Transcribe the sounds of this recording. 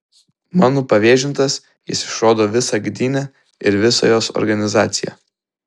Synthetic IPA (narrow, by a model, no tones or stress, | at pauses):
mɑːnoːpɐʋʲeːʒʲɪnt̪ɐs | jɪ̰sɪ̥ʃɾoːd̪oːʋʲɪsɑɡd̪ʲiːnʲɛ | ɪɾʋʲɪso̰ːjoːsɔ̰ɾɡɐnʲɪzɑːt̪sʲɪjɛ̰ː